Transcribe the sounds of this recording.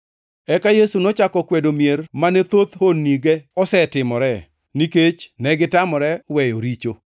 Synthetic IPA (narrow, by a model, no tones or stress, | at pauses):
ɛkajesunɔt͡ʃakɔkwedomijermanɛt̪ot̪honːiɡɛɔsɛtɪmɔɾɛ | niket͡ʃnɛɡɪtamɔɾɛwɛjoɾit͡ʃo